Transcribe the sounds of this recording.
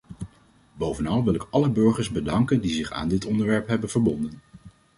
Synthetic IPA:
bowvənɑlˠʋɪlˠɪkɑləbɵɹχəɹzbədɑŋkəndizɪχa̰ːndɪtɔndəɹʋɛɹpɦɛbənv̥əɹbɔndən

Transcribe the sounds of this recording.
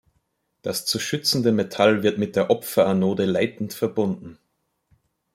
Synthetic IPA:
d̥ast͡suʃʏt͡sn̩dəmetʰalvɪɐtmɪt̚d̥eːɐʔɔpfɐanoːdəlaɪtn̩tfɛɐbʊndn̩

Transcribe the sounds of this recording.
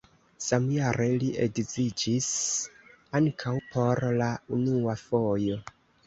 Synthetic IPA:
samjaɾʔe̞liʔeɡzid͡ʒis | aŋkʰawpʰo̞ɾlaunuafo̞jo̞

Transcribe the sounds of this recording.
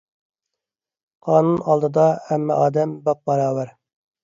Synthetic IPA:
qʰɑːnunɑlˠd̪ɨd̪ɑhɛmːɛ̰ʔɑːd̪ɛmbɑp̚bɑɾɑːwæɾ

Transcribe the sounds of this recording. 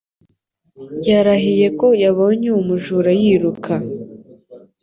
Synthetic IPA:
jaɾaɦije̞ko̞jaβo̞ːɲeumuʒuɾajiːɾukʰa

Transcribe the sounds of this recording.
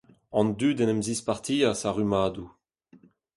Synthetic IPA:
ɑ̃nd̪yːdɛnɛmzispaʁt̪iːasaʁymaːd̪u

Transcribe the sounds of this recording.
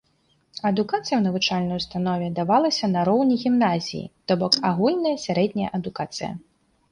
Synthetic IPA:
ɐd̪ukat̪sɨjɐwnɐvut͡ʂalʲnɐjust̪anɔvʲɛd̪avalˠɐsʲɐnɐɾɔwnʲiɣʲimnazʲḭjḭt̪ɔbɔkaɣulʲnɐjɐsʲaɾɛd̪ʲnʲɐjɐ̰ʔɐd̪ukat̪sɨjɐ̰

